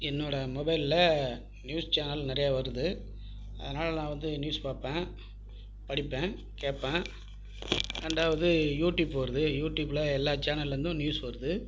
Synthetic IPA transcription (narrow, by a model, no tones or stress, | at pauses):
ɪnːoːɽɐmɔbɐɪllɐ | njuːst͡ʃaːnɐlnɪɾɐjaːʋɐɾɯðɯ | ɐ̰ðɐnaːlɐlãːʋɐnd̪ɯnjuːspaːpːẽː | pɐɽɪpːẽː | keːpːẽː | ɾɛɳɖaːʋɐðɯjuːʈjuːbɐɾɐðɯjuːʈːjuːblɐɛlːaːt͡ʃaːnɐlɾɐnd̪ʊ̃njuːspɐɾɯðɯ